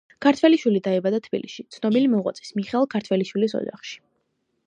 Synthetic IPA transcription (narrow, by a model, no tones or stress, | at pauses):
kʰaɾt̪ʰvwɛliʃwilid̪aɛbad̪at̪ʰb̥ḭliʃit̪sʰnɔbilimɔʁwa̰t̪sʼi̥smiχɛlˠkʰaɾt̪ʰwɛliʃwilisɔ̰d͡ʒa̰χʃi̥